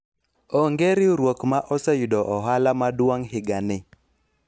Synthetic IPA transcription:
ɔŋɡeɾɪɾwokmaʔɔsɛjudɔʔɔɦalamadwaŋhɪɡanɪ

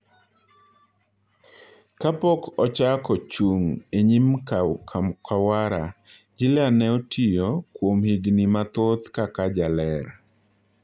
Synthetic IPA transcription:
kapɔkɔt͡ʃakɔt͡ʃuŋeɲimk | kʰawaɾa | d͡ʒɪlanɛɔtijɔkwomhiɡnimat̪ot̪kakad͡ʒalɛɾ

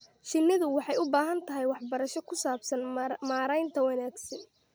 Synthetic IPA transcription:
ʃɪnːɪðʊwɑħɑjʊbaːɦɐnt̪ʰɐɦɛjwɑħbɐɾɐʃɔkʰʊsaːbsɐnmaːɾɛjnt̪ʰɐwɐnaːɡsɐn

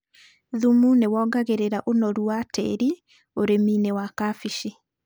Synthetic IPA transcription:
ðumunewɔːɡaɣeɾeɾaʔonɔɾuwatʰɛ̰ɾi | oɾemiːnewakafiʃi

